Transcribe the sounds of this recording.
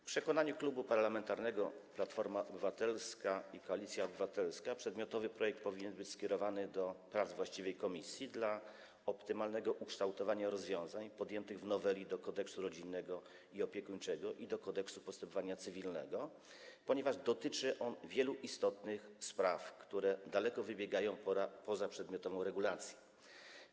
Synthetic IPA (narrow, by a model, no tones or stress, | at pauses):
fpʂɛkɔnaɲuklubupaɾlamɛnt̪aɾnɛɡɔplat̪fɔɾmaʔɔbɘvat̪ɛlskaikɔalʲit̪sʲjaɔbɘvat̪ɛlskapʂɛd̪mʲjɔt̪ɔvɘpɾɔjɛk̚t̪̚pɔvʲiɲɛnbɘt͡ɕskʲɛɾɔvanɘd̪ɔpɾavzvwaɕt͡ɕivɛjkɔmʲisʲjid̪la | ɔpt̪ɘmalnɛɡɔʔukʂt̪awt̪ɔvaɲaɾɔzvʲjɔ̃w̃zaɲpɔd̪jɛnt̪ɘɣvnɔvɛlʲid̪ɔkɔd̪ɛksuɾɔd͡ʑinːɛɡɔ | iɔpʲjɛkuɲt͡ʂɛɡɔʔid̪ɔkɔd̪ɛksupɔst̪ɛmpɔvaɲat̪sɘvʲilnɛɡɔ | pɔɲɛvaʐd̪ɔt̪ɘt͡ʂɘʔɔnvʲjɛluʔist̪ɔt̪nɘxspɾafkt̪uɾɛd̪alɛkɔvɘbʲjɛɡajɔ̃w̃papɔzapʂɛd̪mʲjɔt̪ɔvɔ̃w̃ɾɛɡulat̪sʲjɛ